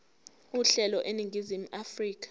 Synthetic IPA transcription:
uɬɛlɔʔeniŋɡʱizim̩afriːk̬ḁ

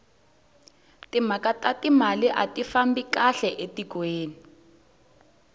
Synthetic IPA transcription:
timakatatimaliʔatifambikaɬɛʔetiɡ̥weːni

